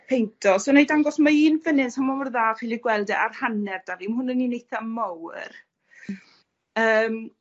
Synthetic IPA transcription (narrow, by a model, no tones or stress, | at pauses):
pʰejntʰɔsonejdaŋɡɔsmaiːnvənɪnshamɔwərðaːχilˠiɡwɛlˠdɛʔarhanɛrd̥avimhʊnəninejθamɔwr | əːm